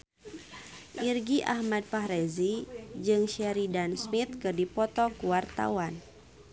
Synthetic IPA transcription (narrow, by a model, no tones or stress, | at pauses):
ʔirɡiʔa̰hmad̚paɦɾezid͡ʒɨŋʃɛɾidansmit̪̚kɨrdipɔt̪ɔkuwart̪a̰wan